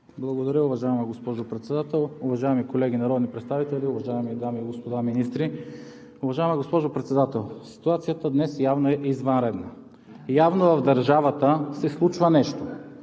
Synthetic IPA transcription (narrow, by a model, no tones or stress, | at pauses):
blˠɐɡod̪ɐɾʲəʊvɐʒaɛməɡospɔʒopɾɛt̪sɛd̪at̪ɛlˠʊvɐʒaɛmikolɛɡinɐɾɔd̪nipɾɛt̪st̪avit̪ɛlʲiʊvɐʒaɛmid̪amiːɡospod̪aminist̪ɾi | ʊvɐʒaɛməɡospɔʒopɾɛt̪sɛd̪at̪ɛlˠsi̥t̪uat̪sijət̪əd̪nɛsjavnoɛʔizvɐnɾɛd̪nə | javnovɐvd̪ɐɾʒavət̪əsɛslˠut͡ʃvənɛʃt̪o